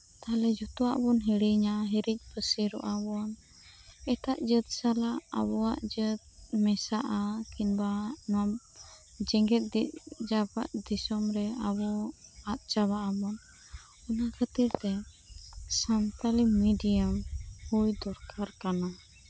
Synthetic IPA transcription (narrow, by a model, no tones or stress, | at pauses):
t̪alɛd͡ʒut̪ɔwa̰ʔbɔnɦiɽiɲaɦiɾic̚ˀpʰəsiɾɔ̰ʔabɔn | ɛt̪aʔd͡ʒət̪̚salaa̰bɔwaʔd͡ʒət̪̚mɛsaʔakinbanɔ | d͡ʒɛŋɡɛt̪̚d̪iʔd͡ʒaba̰ʔd̪isɔmɾɛabɔat̪̚t͡ʃaβaʔabɔn | ɔnakʰət̪iɾt̪ɛ | sant̪alimiɖijamhujd̪ɔɾkaɾkana